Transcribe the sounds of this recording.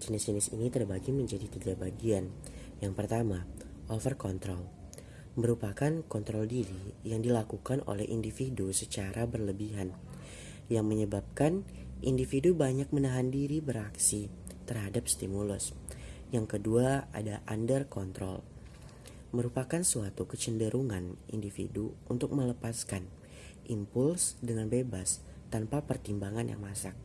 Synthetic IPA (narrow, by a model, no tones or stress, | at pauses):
d͡ʒənɪsd͡ʒənɪsḭnit̪ərbaɡiməɲd͡ʒadit̪iɡabaɡianjaŋpərt̪amaʔɔlfərkɔnt̪ɾɔl | məɾupakankɔnt̪ɾɔldiɾijaŋdilakukano̰lɛhʔḭndifidusət͡ʃaɾabərləbiɦan | jaŋməɲəbap̚kan | ʔindifidubaɲak̚mənaɦandiɾibəɾaksit̪ərɦadap̚st̪imulʊsjaŋkəduaa̰daʔandərkɔnt̪ɾɔ̰l | məɾupakansuat̪ukət͡ʃəndəɾuŋanḭndifḭduunt̪ʊk̚mələpaskan | ʔimpʊlsdəŋanbebas | t̪anpapərt̪imbaŋanja̰ŋmasak̚